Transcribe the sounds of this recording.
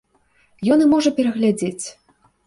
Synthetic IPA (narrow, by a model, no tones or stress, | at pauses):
jɔnɨmɔʐɐpʲɛɾɐɣlʲad͡zʲet͡sʲ